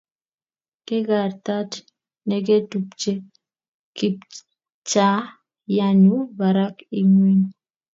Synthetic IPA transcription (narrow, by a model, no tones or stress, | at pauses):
keɡaɾt̪at | nɛɡ̬etupt͡ʃe | kip | t͡ʃa | jaɲubaɾakiŋwiɲ